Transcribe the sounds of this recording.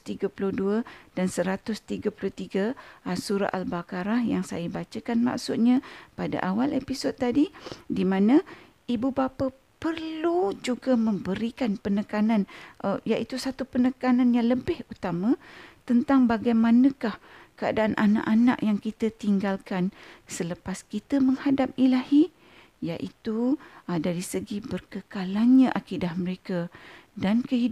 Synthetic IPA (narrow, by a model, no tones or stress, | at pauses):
t̪iɡapuluhduəd̥ansəɾat̪ʊst̪iɡapulut̪iɡaasuɾa̰ʔalbakaɾahjaŋsa̰jəbat͡ʃəkanma̰ksʊt̪̚ɲapada̰ʔawalʔepisod̪̚t̪adidimãnã | ibubapa | pərlud͡ʒuɡamə̃mbəɾikanpənəkanãnʔəjaʔit̪usat̪upənəkananjaŋləbɪhut̪amãt̪ənt̪aŋbaɡajmanə̃kahkəa̰daʔanʔana̰ʔana̰ʔjaŋkit̪ət̪iŋɡalkansələpaskit̪əməŋhadap̚ilahi | jaʔit̪udaɾisəɡibərkəkalanɲãʔakidahməɾekadankəɦid